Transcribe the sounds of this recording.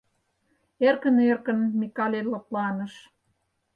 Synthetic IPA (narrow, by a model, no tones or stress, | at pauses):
erkənerkə̆nmikɑlʲelɤ̆plɑnə̆ʃ